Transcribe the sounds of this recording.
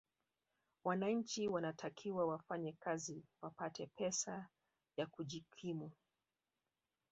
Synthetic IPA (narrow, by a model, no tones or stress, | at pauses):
wanaɲ̩t͡ʃiwanatʰakʰiwawafaɲɛkaziwapatʰɛpɛsa | jakuʄikʰimu